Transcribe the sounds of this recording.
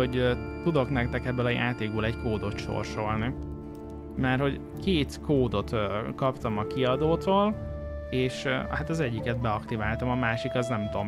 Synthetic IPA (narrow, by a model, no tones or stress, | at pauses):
oɟt̪ud̪o̞knɛk̚t̪ɛkɛbːøːlɒja̰ːt̪eːɡ̚bøːlɛckoːd̪o̞t̪ʃo̰rʃo̞lni | mɛrho̞ɟ | keːt̪kʰoːd̪o̞t̪kɒpt̪ɒmɒkiɒd̪oːt̪oːl | eːʃhat̪ɒzɛɟːikɛt̪̚bɛɒkt̪ivaːlt̪ɒmɒmaːʃikɒznɛmt̪om